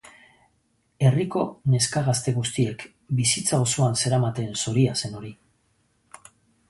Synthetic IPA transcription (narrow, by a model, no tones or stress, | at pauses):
e̞riko̞ne̞skaɣ̞ast̪e̞ɣust̪ie̞k | bisit͡saosuanse̞ɾamat̪e̞nso̞ɾiase̞no̞ɾi